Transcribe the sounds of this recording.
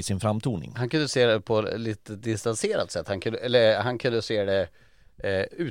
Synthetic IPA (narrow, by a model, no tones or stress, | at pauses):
sɪnfɾamt̪ʰuːnɪ̰ŋhankʰɵnd̪əseːd̪ɛpʰɔliːt̪əd̪ɪst̪anseːɾa̰t̪sɛt̪ːhankʰɵnd̪əɛlːəɾhankʰɵnd̪əseːd̪ɛ | ʉ̟ː